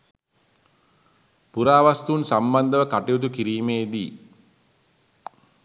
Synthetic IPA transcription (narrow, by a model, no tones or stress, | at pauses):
puɾaːʋast̪unsamband̪əʋəkaʈijut̪̬ukiɾiːmeːd̪i